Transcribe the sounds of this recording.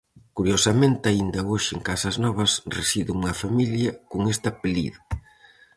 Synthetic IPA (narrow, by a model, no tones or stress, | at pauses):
kuɾjosɐmẽnt̪ɪaind̪ɐoʃɪḛŋkasɐznɔβɐsresiðɪŋuŋɐfamiljɐkoŋest̪ɐapelḭðɐ